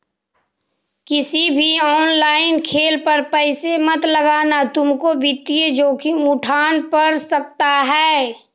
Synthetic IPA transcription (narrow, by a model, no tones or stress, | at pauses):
kɪsibʱiɔːnlaːɪnkʰeːlpəɾpəɪsemɐt̪ləɡanat̪ʊmkobit̪ijed͡ʒoːkiʊʈʰaːnpəɾsɐk̚t̪aɦɛː